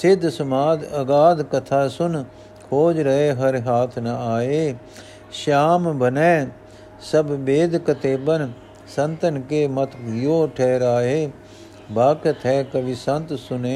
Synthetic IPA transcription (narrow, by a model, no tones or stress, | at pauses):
sɪd̪ʱsɐmaːd̪ɐɡaːd̪kɐt̪ʰaːsʊn | kʰoːd͡ʒɾɐɦeːɦɐɾɦaːt̪ʰnɐaːeː | ʃaːmbɐnɛ̃ː | sɐbbeːd̪kɐt̪ʰeːbən | sɐ̃nt̪ənkeːmɐt̪ʰjoːʈʰɛːɾaːɦeː | baːkət̪ʰɛːkɐʋisɐ̃nt̪sʊnẽː